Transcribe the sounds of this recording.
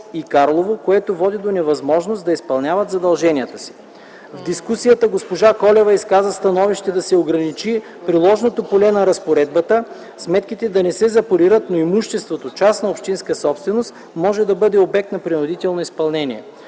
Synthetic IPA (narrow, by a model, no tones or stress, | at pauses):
ikaɾlˠovokoɛt̪ovɔd̪id̪onɛvɐzmɔʒnost̪d̪ɐispɐlˠnʲavɐt̪zɐd̪ɐlˠʒɛnijət̪əsi̥ | vd̪iskusijət̪əɡospoʒakɔlɛvɐiskazəst̪ɐnɔviʃt̪ɛd̪ɐsɛoɡɾɐnit͡ʃi | pɾilˠɔʒnot̪opolɛnɐɾɐspoɾɛd̪̚bət̪ə | smɛt̪k̟it̪ɛd̪ɐnɛsɛzɐpoɾiɾət̪noimuʃt̪ɛst̪vot̪ot͡ʃasnɐopʃt̪inskəsɔpst̪vɛnost̪ | mɔʒɛd̪ɐbɤd̪ɛobɛk̚t̪nɐpɾinod̪it̪ɛlˠnoispɐlˠnɛnʲiɛ